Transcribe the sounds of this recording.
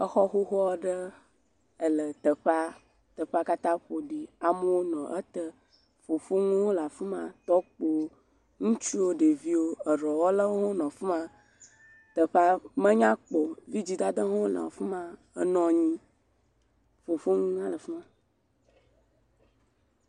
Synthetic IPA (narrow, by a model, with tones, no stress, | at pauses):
ə˦xɔ˦xo˦xɔ˦ɖə˦ | ə˨lə˨t̪ə˨ɸa˦ | t̪ə˨ɸa˦ka˦t̪ã˦ɸo˨ɖi˨a˨mə˦wo˦nɔ̃˨ʔə˦t̪ə˦ | fo˨fo˦ŋũ˦wo˦la˨fə˦mã̰˦t̪ɔ˦k͡po˦ | ŋũ˦t͡ʃu˦wo˦ɖe˨vi˦wo˦ə˨ɾɔ˨wɔ˦lə˦wo˦ɦo˦nɔ̃˨fə˦mã˦ | t̪ə˨ɸa˦mə̃˦ɲã˦k͡po˨vi˦d͡ʑi˨d̪a˦d̪ə˦ɦo˦o˦lã̰˨fə˦mã˦ | ə̰˦nɔ̃˨ɲĩ˦ | fo˨fo˦ŋũ˦ã˦lə˨fə˦mã˦